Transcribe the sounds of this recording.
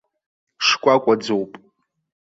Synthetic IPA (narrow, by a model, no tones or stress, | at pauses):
ʂkʷʼakʷʼad͡zowpʼ